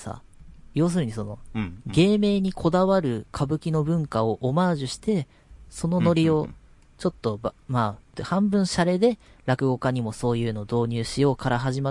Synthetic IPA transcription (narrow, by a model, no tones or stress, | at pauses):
sa̰ | jo̞ːs̬ɨɾɯ̟ɲ̟iso̞no̞ɡe̞ːme̞ːɲ̟ikʰo̞d̪aβaɾɯ̟kʰabɯ̟kʲino̞bɯ̟̃ŋkao̞ʔomaːʑɨɕi̥t̪e̞ | so̞no̞no̞ɾʲio̞ | t͡ɕo̞t̪ːo̞bmaːhãmbɯ̟̃ɰ̃ɕaɾe̞d̪e̞ɾakɯ̟ɡo̞kaɲ̟imo̞so̞ːjɯ̟ːno̞ːd̪o̞ːɲ̟ɨːɕijo̞ːkaɾaɦaʑima